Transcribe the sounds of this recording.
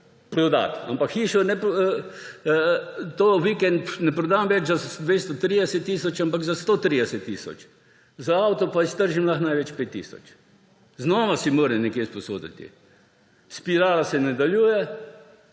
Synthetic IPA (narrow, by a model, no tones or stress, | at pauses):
pɾɔd̪a̰t̪a̰mpakxiːʃɔnɛpː | t̪oʋikɛnt̪nɛpɾɔd̪aːmʋɛt͡ʃzad̪ʋeːst̪ɔt̪ɾid̪ɛsɛt̪ːiːsɔt͡ʃampakzast̪oːt̪ɾiːd̪ɛsɛt̪ːiːsɔ̰t͡ʃ | zaawt̪ɔpaist̪əɾʒimlaxnajʋɛt͡ʃpeːt̪ːḭːsɔ̰t͡ʃ | znɔːʋasimoːɾɛmnɛkjeːspɔso̰ːd̪ḭt̪ḭ | spiɾaːlasɛnad̪aljuːjɛ